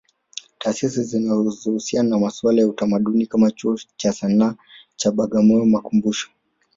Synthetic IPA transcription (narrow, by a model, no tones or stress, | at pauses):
taːsisizinazuhusiananamaswalajautamaɗunikamat͡ʃuɔt͡ʃasanaː | t͡ʃaɓaɠamɔɔmakumbuʃɔ̥